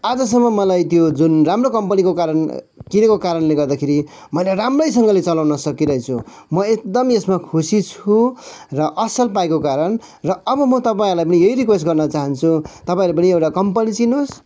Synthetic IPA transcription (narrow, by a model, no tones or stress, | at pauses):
ad͡zʌs̬ʌmːʌmʌlajt̪jod͡zunramrokʌmpʌnikokaɾʌn | kinʌkokaɾʌnleɡʌrd̪akʰeɾi | mʌjleɾamrʌjs̬ʌŋɡʌlet͡sʌlawnʌsʌkiɾʌɦit͡sʰṵ | mʌek̚d̪ʌmesmakʰusit͡sʰurʌʔʌsʌlpaekokaɾʌn | rʌʌbʌmʌt̪ʌpãɾlajpʌnijʌiɾikwesʈɡʌrnʌt͡saɦʌnt͡sʰut̪ʌpaĩlapʌniewʈakʌmpʌnit͡sinos